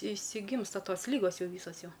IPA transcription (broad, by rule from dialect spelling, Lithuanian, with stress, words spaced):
ɪʃʲsʲɪˈɡʲiːmstɐ ˈtoːs ˈlʲiːɡoːs ˈjɛʊ ˈʋʲiːsoːs ˈjɛʊ